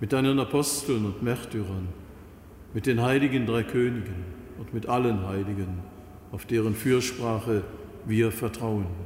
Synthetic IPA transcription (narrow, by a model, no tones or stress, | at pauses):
mɪt̚d̥aɪnənapʰɔstl̩nʊntmɛɐtʰyːʁɐn | mɪt̚d̥eːnɦaɪlɪɡəndʁaɪkʰøːnɪɡən | ʊntmɪtʔalənɦaɪlɪɡən | aʊfd̥eːʁ̞ənfyːɐʃpʁ̥aːχə | viːɐfɛɐtʁ̥aʊən